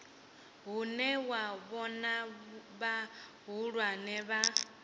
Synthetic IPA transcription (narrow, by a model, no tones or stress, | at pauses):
ɦunɛwaβɔnaβa | ɦuɺwanɛβa